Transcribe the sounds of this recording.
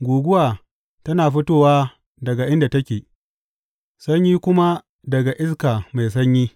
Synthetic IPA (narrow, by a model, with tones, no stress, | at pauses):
ɡʷuː˨ɡʷʊ˦waː˨ | tɐ˦naː˨ɸɪ˦toː˦waː˦ | dɐ˨ɡa˨ʔɪ˦nda˨tɐ˦kʲeː˨ | sɐ˦ɲjiː˦kʷʊ˦ma˦ | dɐ˨ɡa˨ʔɪ˦s̬kaː˨ma˨js̬ɐ˦ɲjiː˦